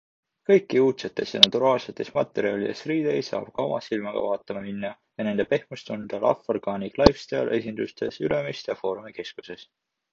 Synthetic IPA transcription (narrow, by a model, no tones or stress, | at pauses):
kɤ̞jkːˑiuːt̪se̞t̪ːˑe̞sjɑ̰nɑt̪uɾɑːlse̞t̪ːˑe̞smɑt̪ːˑe̞ɾiɑlid̪̥e̞sriːd̪̥e̞jsɑ̰ːb̥kɑomɑ̰silmɑɡ̥ɑ̰vɑːt̪ːˑɑmɑminːɑ | jɑne̞nd̪̥e̞pe̞hmust̪und̪̥ɑlʔɑ̰forɡ̥ɑːniklɑjfst̪ɑjɑ̰lʔe̞sʲind̪ust̪e̞̰sylemist̪ɑfo̞ːɾumike̞skuse̞s